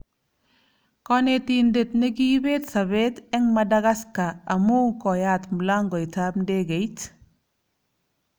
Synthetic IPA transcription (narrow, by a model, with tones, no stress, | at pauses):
kɔ˦ne˨ti˨nde˨tne˦ɡi˦be˦tsa˨be˦tɛ˦ŋma˨da˦ɡa˦ska˨a˨mu˦kɔ˨ja˦tmu˨la˦ŋɡɔ˨i˨ta˦b̚nde˦ɡe˨jt